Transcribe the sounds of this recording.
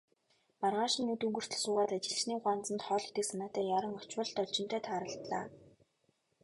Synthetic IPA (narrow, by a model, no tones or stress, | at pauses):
parʁaːʃĭnːɵt̪ɵŋɡɵ̆r̥t̪ɘ̆ɮsʊːʁaːt̪at͡ɕɪ̆ɮt͡ɕniːɢwant͡sə̆nt̪χɔːɮe̥t̪ɘ̆ksanaːt̪æːjaɾə̆ŋɔt͡ɕwə̆ɮt̪ɔɮt͡ɕɪ̆nt̪æːt̪ʰaːɾə̆ɬt̪ɮa̰ː